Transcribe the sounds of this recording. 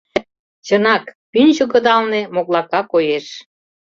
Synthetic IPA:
t͡ɕənɑkpynʲʑə̆kə̆d̪ɑlnemoklɑkɑkojeʃ

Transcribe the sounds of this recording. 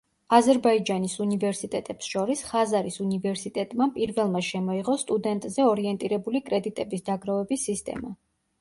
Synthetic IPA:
azɛɾbaid͡ʒanisunivɛɾsit̪ʼɛt̪ʼɛpsʃɔɾisχazaɾisunivɛɾsit̪ʼɛt̪ʼmapʼiɾvɛlˠmaʃɛmɔiʁɔst̪ʼud̪ɛnt̪ʼzɛɔɾiɛnt̪ʼiɾɛbulikʼɾɛd̪it̪ʼɛbisd̪aɡɾavɛbisːist̪ʼɛ̰ma̰

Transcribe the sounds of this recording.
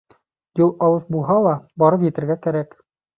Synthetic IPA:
julˠɑlˠɤθbulˠɦɑlˠɑbɒɾɤpjɘ̆t̪ɘ̆ɾɡækæɾæk

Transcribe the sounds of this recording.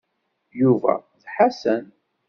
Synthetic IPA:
juvæ̰ðħasən

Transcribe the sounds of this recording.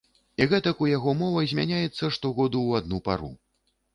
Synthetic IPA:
iɣɛt̪ɐkujaɣɔmɔvɐjzʲmʲa̰nʲajɛt̪sːɐʂt̪ɔɣɔd̪uwad̪nupa̰ɾu

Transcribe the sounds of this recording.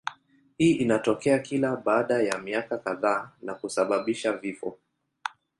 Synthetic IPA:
hiːʔinatɔkɛakilaɓaːɗajamiakakaðaːnakusaɓaɓiʃavifɔ̰

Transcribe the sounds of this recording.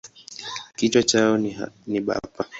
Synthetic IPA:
kitwat͡ʃaɔniɓa̰pa

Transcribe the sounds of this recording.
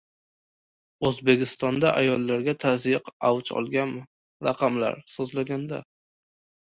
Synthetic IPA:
ɵzbe̞kʲɪst̪ɒnd̪aʔajɒlˠːaɾɡʲat̪ʰazjɪqawt͡ʃɒ̰lˠɡʲan | ɾɑqʰɑmla̰ɾsozlaɡʲand̪a̰

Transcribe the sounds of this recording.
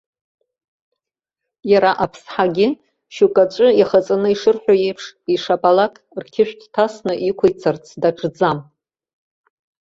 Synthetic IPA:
jaɾaʔapʰsħaɡʲɪ | ʃukʼat͡ʃʷʼʊiχat͡sʼanɨiʂɨrħʷᶣaje̞jpʰʂiʂapʼalakʼrkʲʰɪʃᶣtʰtʰasnɨʔikʷʰajt͡sʰart͡sʰdaʈ͡ʂʼd͡zam

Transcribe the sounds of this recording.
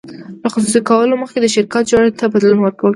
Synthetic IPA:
ləxʊs̬usikawəloməxked̪əʃɪɾkɑt̪̚d͡ʒɑɽet̪abad̪lunwəɾkawəl

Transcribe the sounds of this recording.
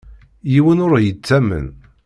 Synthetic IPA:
jiwənʊɾjət͡sːæmə̰n

